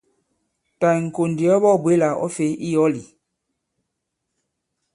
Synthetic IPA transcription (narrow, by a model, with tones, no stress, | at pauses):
ta˨ŋ̩˨ko˨ndi˨ɔ˦bɔ˦˨bwe˦la˨ʔɔ̰˦fe˨˦ʔi˦jɔ˦li˨